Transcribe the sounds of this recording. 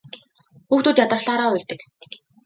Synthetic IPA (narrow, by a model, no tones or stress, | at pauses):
xuːxt̪uːt̪jat̪ə̆rɮaːɾɔːʊɮʲt̪ɘ̆k